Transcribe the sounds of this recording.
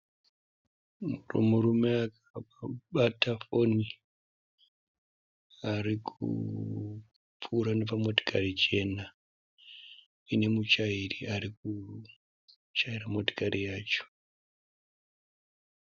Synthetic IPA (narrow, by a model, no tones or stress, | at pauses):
muro̰muɾume̞akaaɓatʰafo̞ni | aɾikʰṵ | puːɾanepamo̞to̥kʰarid͡ʒe̞na | ine̞mut͡ʃairiaɾik̚u | t͡ʃaiɾamo̞to̥kaɾijaːt͡ʃo̥